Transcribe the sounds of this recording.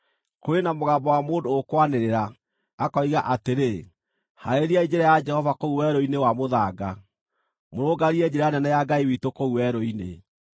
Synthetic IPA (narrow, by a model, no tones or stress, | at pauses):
koenamoɣaːmbɔwamoːndoːkwaneɾeɾa | akɔiɣaʔateɾe | haeɾiaid͡ʒeɾɛjad͡ʒɛhɔvakouwɛɾoinewamoðaːɡa | moɾoɡaɾiɛd͡ʒeɾɛjanɛnɛjaɡaiwitokouwɛɾoinḛ